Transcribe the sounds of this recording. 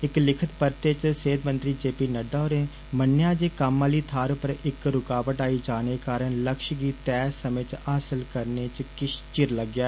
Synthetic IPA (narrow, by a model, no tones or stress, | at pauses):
ɪklɪkʰət̪pəɾt̪eːt͡ʃseːd̪mənt̪ɾiːd͡ʒeːpiːnəɖaoːɾẽː | mənjãːd͡ʒeːkəmːaːliːt̪ʰaːɾpəɾɪkɾʊkaːʋəʈaːiːd͡ʒaːneːkaːɾənləkʃɡiːt̪ɛːsəmẽːt͡ʃaːsəlkəɾneːt͡ʃkɪʃt͡ʃɪɾləɡjaː